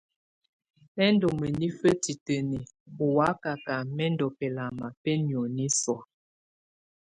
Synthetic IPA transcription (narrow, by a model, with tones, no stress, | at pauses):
mɛ˦n˦do˨mə˨ni˦fə˦ti˨tə˨ni˨ | o˨wa˨˦ka˨ka˨mɛ˦ndɔ˨pɛ˨la˨ma˨pɛ˦njo˨ni˦sɔ˨